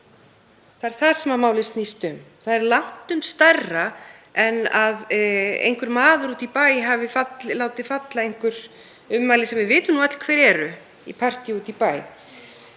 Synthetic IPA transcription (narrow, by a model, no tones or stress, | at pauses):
θaɛɾ̥θasɛmamaːwlɪst̪nist̪ʏm | θaðɛɾlan̥t̪ʏmst̪arːa | ɛnaðḛjŋ̥kvʏɾmaːðʏɾuːt̪ipaːjɦavɪfat̪llaːwt̪ɪfat̪laejŋkʏɾ̥ | ʏmːaːjlɪsɛmvɪvɪːt̪ʏnuɛt̪l̥kʰvɛɾɛɾʏ | ḭpʰar̥t̪ɪut̪ipaːj